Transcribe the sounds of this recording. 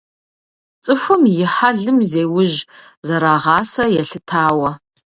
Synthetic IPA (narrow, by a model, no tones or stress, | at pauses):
t͡sʼɨxʷʊmjɪħaɮɨmzeːwʊʒ | zɐɾaːʁɑːsɐjɛɬɨtʰaːwɐ